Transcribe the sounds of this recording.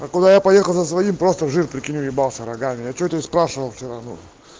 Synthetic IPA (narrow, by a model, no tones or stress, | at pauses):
akʊd̪ajapɐjexəlˠzəsvɐimpɾost̪əvʐɨrpɾʲɪkʲɪnʲujɪbalˠsʲəɾɐɡamʲɪjat͡ɕoɛt̪əspɾaʂɨvəlˠfsʲoɾɐvno̰